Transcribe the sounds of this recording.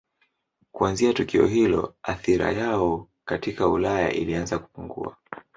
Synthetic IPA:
kuanziatukiɔ̰ɦilɔ̰aθiɾa̰jaɔ | katikaulaja̰ʔilianzaku̥puŋɡṵa

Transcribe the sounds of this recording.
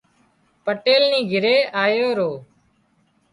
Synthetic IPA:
pəʈeːlnĩːɡʱɪɾeːʔaːjoːɾoː

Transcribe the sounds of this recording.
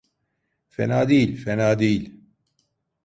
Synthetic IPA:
fɛ̰naːd̪iːlfɛnaːd̪iːl

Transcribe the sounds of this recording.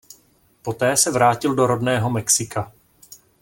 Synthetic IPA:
po̞t̪ɛːsɛvɾaːcɪldo̞ɾo̞dnɛːɦo̞mɛksɪkʰa

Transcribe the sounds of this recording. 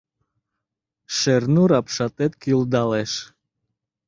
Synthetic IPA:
ʃeɾnuɾɑpʃɑt̪ɛt̪̚kiuld̪ɑlɛʃ

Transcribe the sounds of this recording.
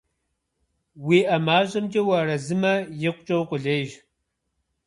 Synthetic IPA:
wiːʔɐmaːʑʼɐmd͡ʒʼɐwɐrɐzɨmɐjɪqʷʼʊt͡ʃʼɐwqʷʼʊɮeːʒ

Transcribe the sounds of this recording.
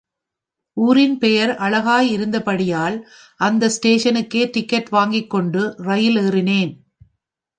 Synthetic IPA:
ʔuːɾɪnpɛjɐɾʔɐɭɐɣaːjɪɾɯnd̪ɐpɐɽɪjaːl | ʔɐnd̪ɐsʈeːʂɐnɯkːeːt̪ɪkːɐʈʋaːŋɡɪkːɔɳɖɯrɐjɪleːrɪneːn

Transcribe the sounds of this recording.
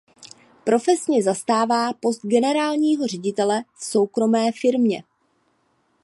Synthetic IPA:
pɾo̞fɛsɲɛzast̪aːvaːpo̞st̪̚ɡɛnɛɾaːlɲiːɦo̞r̝ɛɟɪt̪ɛlɛfso̞wkɾo̞mɛːfɪɾmɲɛ

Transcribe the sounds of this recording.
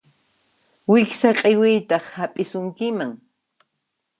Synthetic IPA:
wɪksaqʼewɪjt̪ɑχhapʼɪsʊŋkɪmaŋ

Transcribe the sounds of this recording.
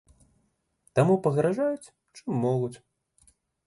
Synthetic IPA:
t̪amupɐɣɾaʐajut͡sʲ | t͡ʂɨmːɔlˠut͡sʲ

